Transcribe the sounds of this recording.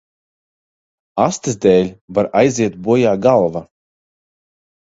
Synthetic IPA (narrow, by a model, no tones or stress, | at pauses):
ast̪ɨzd̪ɛːlʲvaɾajziɛt̪̚buɔjaːɡalˠva